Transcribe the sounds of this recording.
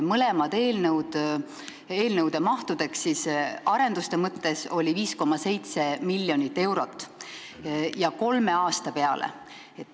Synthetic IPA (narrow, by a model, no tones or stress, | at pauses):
mɤle̞mɑd̪̥e̞ːlnəwd̪̥ | e̞ːlnəwd̪̥e̞mɑht̪ud̪̥e̞ksːiːsɑɾe̞nd̪̥ust̪e̞mɤt̪ːe̞so̞lʲiviːsko̞mːɑse̞jt̪se̞milʲːjo̞nit̪ːe̞wɾo̞t̪ːˑ | jɑko̞lme̞ɑːst̪ɑpe̞ɑlḛ | et̪ː